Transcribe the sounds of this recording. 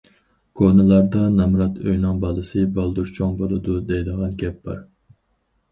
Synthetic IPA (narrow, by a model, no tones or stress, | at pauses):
kʰonɨlˠɑɾd̪ɑnɛmɾɑt̪ʰøjnɑŋbɑlˠɨsɨbɑlˠd̪uɾt͡ʃʰoŋbolˠɨd̪ud̪ejd̪əʁɑnɡʲɛp̚b̥ɑ̰ɾ